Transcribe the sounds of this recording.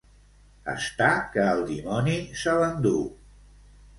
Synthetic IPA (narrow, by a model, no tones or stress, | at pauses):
ə̰st̪akəːlˠd̪imɔnisəβənd̪u